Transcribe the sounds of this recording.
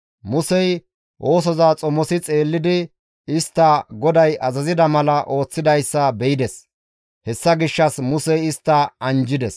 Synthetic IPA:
mʊsɛj | ʔo̞ːs̬ɔzaːt͡sʼɔmɔsɪt͡sʼe̞ːlːɪd̪ɪ | ɪst̪ːɐɡɔd̪ɐjɐzɐzɪd̪ɐmɐlɐʔo̞ːt͡sːɪd̪ɐjsːɐbɛjɪd̪ɛs | hɛsːɐɡɪʃːɐsmʊsɛjɪst̪ːɐɐnd͡ʒɪd̪ɛs

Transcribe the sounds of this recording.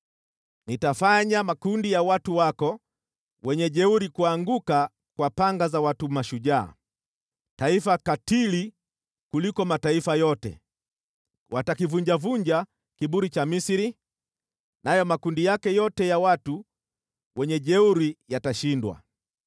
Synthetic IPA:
nitafaɲamakundijawatuwakɔ | wɛɲɛʄɛuɾikuaŋɡuka | kwapaŋɡazawatumaʃuʄa̰ː | taifakatili | kulikɔmataifajɔtɛ̰ | watakivuɲd͡ʒavuɲd͡ʒa | kiɓuɾit͡ʃamisiɾi | najɔmakundijakɛjɔtɛjawatu | wɛɲɛʄɛuɾijataʃindwa̰

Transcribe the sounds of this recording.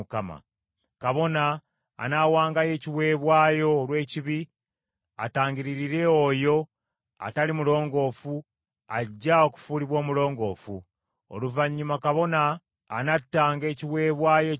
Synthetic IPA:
kama̰ | kaβo̞na̰ː | nawaːŋɡaje̞ːciwe̞ːβwaːjo̞ːlwe̞ːciβi | a̰taːŋɡiɾiɾiɾe̞ojo̞ | a̰talimulo̞ːŋɡo̞fu | aɟːao̞ku̥fuːliβwo̞ːmulo̞ːŋɡo̞ːfu | o̰luvaɲːumakaβo̞naː | natːaːŋɡe̞ːciwe̞ːβwaːjo

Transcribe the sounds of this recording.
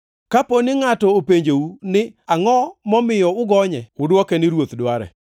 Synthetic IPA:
kaponɪŋatɔopeɲd͡ʒounɪaŋɔmɔmɪjɔʊɡɔɲɛʊdwɔkɛnɪɾwot̪dwaɾɛ̰

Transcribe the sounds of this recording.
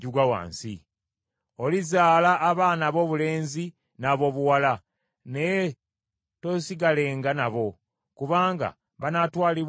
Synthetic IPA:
ɟuɡawa̰ːnsḭ | o̞lizaːlaʔːβaːnaβo̞βule̞ːnzi | naβo̞ːβuwala | ne̞je | to̞siɡale̞ːŋɡanaβo̞ | kuβaːŋɡa̰ | βanatwaːliβ

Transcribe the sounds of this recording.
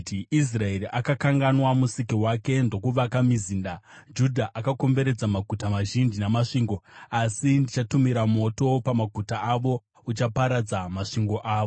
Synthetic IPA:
is̬rae̞riʔakakaŋɡanwamusikiwake̞ndo̞kuʋakamiziːndad͡ʒudʱaʔakako̞mbe̞ɾe̞d͡zamaɡʱutamaʒind͡ʒinamaʂiːŋɡo̞asindit͡ʃatumiɾamo̞to̞pamaɡʱutaːʋo̞ | ut͡ʃapaɾad͡zamaʂiŋɡo̞ʔaːʋo

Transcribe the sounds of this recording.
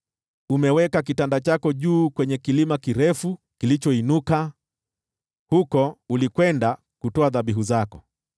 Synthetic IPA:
umɛwɛkakitandat͡ʃakɔʄuːkwɛɲɛkilimakiɾɛfu | kilit͡ʃɔinuka | hukɔulikwɛnda | kutɔaðaɓiɦuzakɔ

